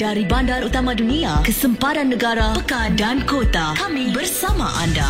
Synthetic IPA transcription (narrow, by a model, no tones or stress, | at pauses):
daɾibandaɾut̪amãduniakəsəmpaɾanːəɡaɾapəkandankot̪akamĩbərsamaʔa̰nda